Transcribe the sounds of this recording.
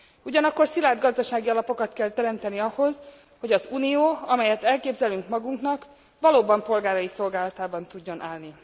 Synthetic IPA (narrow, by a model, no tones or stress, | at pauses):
uɟɒnɒkːo̞rsilaːrd̪ɡɒzd̪ɒʃaːɡiɒlɒpo̞kɒt̪kɛlt̪ɛɾɛmt̪ɛniɒho̞z | hoɟɒzuːnijoːɒmɛjɛt̪ɛlkeːbzɛlyŋkmɒɡuŋknɒk | ʋɒloːbɒmpo̞lɡaːɾɒjiso̞lɡaːlɒt̪aːbɒnt̪uɟːo̞nʔaːlni